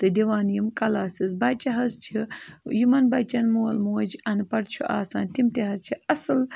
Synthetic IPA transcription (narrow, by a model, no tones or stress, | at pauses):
t̪ɨd̪iʋaːnjimkɐlaːsizbɐt͡ʃɐɦɐzt͡ʃʰijimɐnbɐt͡ʃɐnmoːlmoːd͡ʒɐnpɐɽt͡ʃʰuʔa̰ːsa̰ːnt̪imt̪iɦɐzt͡ʃʰiɐsɨl